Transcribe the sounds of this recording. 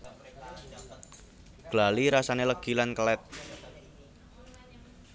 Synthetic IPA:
ɡ̥laliɾasaneləɡ̥i̤lankəlɛt̪̚

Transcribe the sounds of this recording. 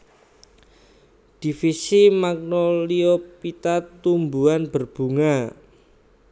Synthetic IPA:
d̥i̤fisimak̚noliopit̪at̪umbuanb̥ərb̥ṳŋa

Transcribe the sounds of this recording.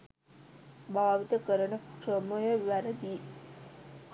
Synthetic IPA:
baːʋit̪əkəɾənəkrəmujəʋæɾəd̪iː

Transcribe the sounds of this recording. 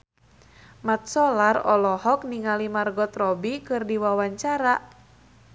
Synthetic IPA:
mat̪̚sɔlarɔ̰lɔhɔk̚niŋalimarɡɔt̪rɔbikɨrdiwawaɲt͡ʃaɾa

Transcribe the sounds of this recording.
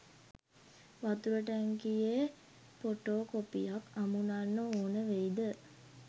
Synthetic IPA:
ʋat̪uɾəʈæŋkije | poʈoːkopḭjakamunanːooːnəʋeid̪ə

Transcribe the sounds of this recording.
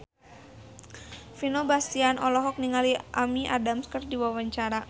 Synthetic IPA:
finobast̪ianʔɔlɔɦɔk̚niŋaliʔamiʔa̰damskərdiwawaɲt͡ʃaɾa

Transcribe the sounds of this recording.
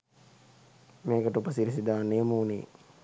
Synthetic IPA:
meːkəʈupəsiɾisid̪aːnejəmuːnḭː

